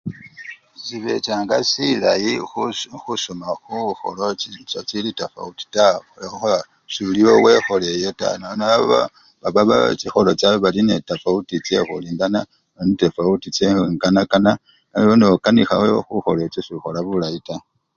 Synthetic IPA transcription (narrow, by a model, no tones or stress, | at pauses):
siβe̞̰t͡ʃaːŋɡasilajixusomaxuxo̰loit͡ʃot͡silitafa̰uti̥taxolexox | suliwo̞we̞xo̞lejeta̰nanaaβa | βaβaβa̰t͡sixo̞lo̞t͡saβeβalinetafautit͡se̞xuliːndana | ainetefautit͡seŋɡanakana | joneokanixa̰xexuxo̞le̞t͡sesixo̞laβulajita